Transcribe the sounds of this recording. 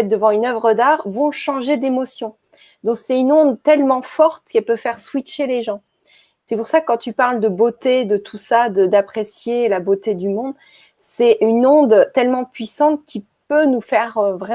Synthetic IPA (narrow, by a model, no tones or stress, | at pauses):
ɛd̪əvɑ̃ynœvʁəd̪aʁvɔ̃ʃɑ̃ʒed̪emɔsjɔ̃ | d̪ɔ̃ksɛynɔ̃d̪t̪ɛlmɑ̃fɔʁt̪kɛlpøfɛʁswiʃeleʒɑ̃ | sɛpuʁsakːɑ̃t̪ypaʁld̪əbot̪ed̪ət̪ʰusad̪əd̪apχesjelabot̪ed̪ymɔ̃d̪ | sɛʔynɔ̃d̪t̪ɛlmɑ̃pɥisɑ̃t̪̚kʲi | pønufɛʁvʁɛ